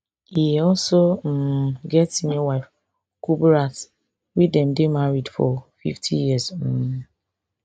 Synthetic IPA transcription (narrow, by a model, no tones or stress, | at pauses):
hiɔsom̩ɡɛtinewaɪf | kubɾat | widem̩dɪmaɾidfɔfḭftʰijizm̩mu